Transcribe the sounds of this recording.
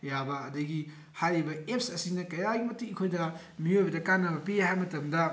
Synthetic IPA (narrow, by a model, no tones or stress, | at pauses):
jabɐːdɐɡi | hajɾibɐep̚sɐsinɐkɐjaɡimɐtikʰojdɐ | mijojbɐdɐkanːɐbɐpihajmɐtɐmdɐ